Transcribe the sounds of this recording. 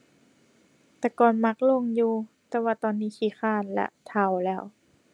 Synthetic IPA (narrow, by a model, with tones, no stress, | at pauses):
t̪ɛː˧˩kɔː˨nma˧˥k̚lo˧˥˨ŋjuː˧t̪ɛː˧waː˧˩t̪ɔː˧nːiː˧˩˨kʰiː˧˩xʰaː˧˥˩nlɛ̰˧ʔt̪ʰa˧˩˨wlɛː˧˩˨w